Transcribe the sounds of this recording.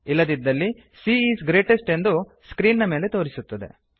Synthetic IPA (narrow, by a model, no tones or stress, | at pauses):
ilːɐd̪id̪ːɐlːi | siːiːsɡɾe̞ːʈesʈe̞nd̪u | skɾiːnːɐmeːle̞t̪o̞ːɾisut̪ːɐd̪e̞̰